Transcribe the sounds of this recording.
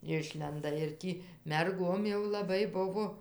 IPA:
ˈɪʃʲlʲɛndɐ ɪr ˈtʲiː mʲɛrˈɡoːm jɛʊ lˠɐˈbɐɪ ˈbʊʋoː

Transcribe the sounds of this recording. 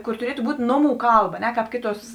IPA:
ˈkoːr tʊˈrʲiɛtʊ ˈbuːtʲ ˈnoːˌmuː ˈkɐlˠˌbɐ ɐ ˈnʲɛ ˈkɑːp ˈkʲeːˌtuɔs

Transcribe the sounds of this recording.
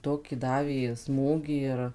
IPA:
ˈtoːkʲiː ˈdɑːʋʲeː ˈsmuːɡʲiː ɪr

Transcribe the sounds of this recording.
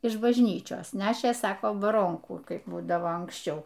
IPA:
ɪʃ bɐʒʲˈnʲiːt͡ʃʲoːs ˈnʲæːʃʲeː ˈsɑːkoː bɐˈroːŋkuː ˈkɐɪp ˈbuːdɐʋoː ɐŋksʲˈt͡ʃʲɛʊ

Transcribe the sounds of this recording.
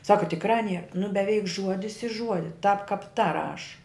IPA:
ˈsɑːkɐ tʲɪkˈrɑː nʲiɛ nʊ bʲɛˈʋʲɛɪk ˈʒuɔdʲɪs ɪ ˈʒuɔdʲɪ tɐp kɐp tɐ ˈrɐʃ

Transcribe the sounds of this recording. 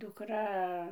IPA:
dʊkˈrɐ

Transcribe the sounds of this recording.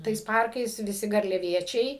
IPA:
tɐɪs ˈpɐrkɐɪs ʋʲɪˈsʲɪ ɡɐrʲlʲɛˈʋʲiɛt͡ʃʲɛɪ

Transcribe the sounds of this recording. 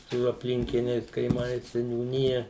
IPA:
sʊ ɐpʲˈlʲɪŋʲkʲɪnʲɛɪs kɐɪˈmɐɪs sʲɛnʲuːˈnʲɪjɛ

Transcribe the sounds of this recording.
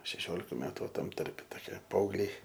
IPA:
ʃʲɛˈʃʲoːlʲɪkɐ ˈmʲæːtʊ ˈʋɐ ˈtɐm ˈtɐrʲpʲɛ toːˈkʲiɛ pɐɐʊɡˈlʲɛɪ

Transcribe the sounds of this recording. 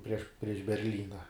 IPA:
pʲrʲiɛʃ pʲrʲiɛʃ bʲɛrʲˈlʲiːnɐ

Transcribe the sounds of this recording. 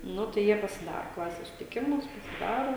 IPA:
ˈnʊ tɐɪ ˈjiɛ pɐsʲɪˈdɑːroː ˈklˠɑːsʲɛs sʊsʲɪtʲɪˈkʲɪmʊs pɐsʲɪˈdɑːroː

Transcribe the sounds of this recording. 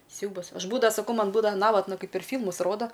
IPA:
ˈsʲɛʊbɐs ˈɐʃ ˈbuːdɐʋɐ sɐˈkɐʊ ˈmɐn ˈbuːdɐʋɐ ˈnɑːʋɐtnɐ ˈkɐɪp pʲɛr ˈfʲiːlˠmʊs ˈroːdɐ

